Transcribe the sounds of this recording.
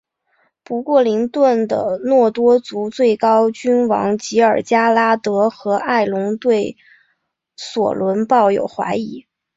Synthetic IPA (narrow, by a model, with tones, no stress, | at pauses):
pu˧˥kwɔ˥˩li˧˥ŋt̪wə˥˩nd̪ə̰˩nwɔ˥˩t̪wɔ˥t͡su˧˥t͡swe˥˩ɪkɑ˥ʊt͡ɕy˥nwɑ̰˧˥ŋt͡ɕi˧˥ə˞˨˩t͡ɕja˥la˥t̪ɤ˧˥xɤ˧˥ʔa˥˩ɪlʊ˧˥ŋt̪we˥˩ɪ | swɔ̰˨˩lwə˧˥npɑ˥˩ʊjo̰˨˩ʊxwa̰˧˥ɪi˧˥˦